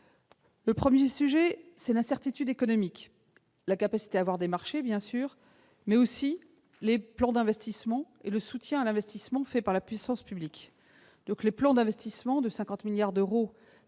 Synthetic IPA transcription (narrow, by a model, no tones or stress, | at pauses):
ləpχəmjesyʒɛsɛlɛ̃sɛʁt̪it̪yd̪ekɔnɔmik | lakapasi̥t̪eavwaʁd̪emaʁʃebjɛ̃syːʁ | mɛosi | leplɑ̃d̪ɛ̃vɛst̪ismɑ̃ | eləsut̪jɛ̃alɛ̃vɛst̪ismɑ̃fɛpaʁlapɥisɑ̃spyblik | d̪̥ɔ̃kleplɑ̃d̪ɛ̃vɛst̪ismɑ̃d̪əsɛ̃kɑ̃t̪miljaʁd̪øʁo